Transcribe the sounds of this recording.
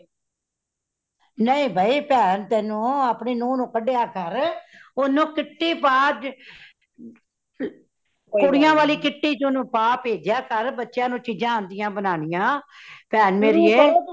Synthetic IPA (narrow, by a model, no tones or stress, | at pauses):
nəĩːbʱaːiːpɛːnt̪ɛːnũːaːpneːnũːnũːkəɖeːaːkəɾʊnũːkɪʈːiːpaː | kʊɽɪjãːʋaːliːkɪʈːiːt͡ʃʊnũːpaːpeːd͡ʒjaːkəɾbətːʃjãːnũːt͡ʃiːd͡ʒãːnd̪ɪjãːbənaːnɪjãːpɛːnmeːɾiːeː